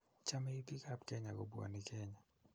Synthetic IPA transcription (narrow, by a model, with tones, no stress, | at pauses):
t͡ʃa˦mɛ˦i˦t̪i˦ka˦pkɛ˦ɲa˨ko˨bu˦a̰˨ni˦kʰɛ˦ɲa˨